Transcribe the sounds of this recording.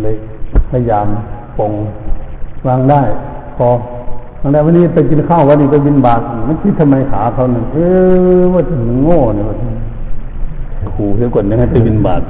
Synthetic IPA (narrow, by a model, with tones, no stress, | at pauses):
la˧j | la˧˩jjaː˨m | po˨˧ŋ | waː˧˨ŋdaː˧˩˨jpʰɔː˧ | aː˧˨nda˧˨wa˧nːiː˧pa˨˦jki˧˨nkʰa˧˩˨wʋaː˧niː˧˩ka˧˦bi˧˨nbaː˨˩t̪̚ma˧˥˨nkʰi˧˦t̪ʰːa˧ma˧jkʰaː˨˦˧t̪ʰa˧˨nɯ˧˦ŋʔɯː˧bɔː˧˩ta˧˨nɯ˧˦ŋːoː˧˩˨niː˧bɔː˧˩si˧˦n˨˩ | jkʰuː˨˧˦i˧˦kɔ˧˩˨nɲa˧ŋha˨˩jpa˨˦bi˧˨nba̰ː˨˩t̪̚